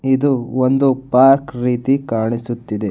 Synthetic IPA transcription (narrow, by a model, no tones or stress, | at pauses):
id̪uond̪upaːɾkɾiːt̪ikaːɳisut̪ːid̪e